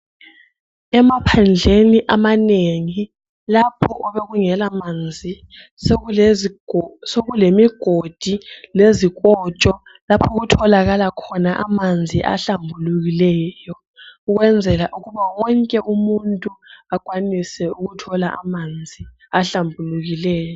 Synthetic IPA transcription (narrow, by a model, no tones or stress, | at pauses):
ɛmapʰand͡ɮʱeniʔamaneŋi | lapʰɔʔɔβeɣuŋɛlamand͡zʱi | soɣulemiɡ̥ʱod̥ʱileziɣ̬ʼɔt͡ʃʼɔ | lapʰɔɣutʰɔlaɣalakʰɔnaʔamand͡zʱiʔa̰ɬambʱuluɣilɛːjɔ | uɣwɛnd͡zʱɛlaʔuɣuβawɔŋkʼɛʔumuntʼuakʼwanisɛuɣutʰɔlaʔa̰mand͡zʱi | aɬambʱuluɣilɛːjɔ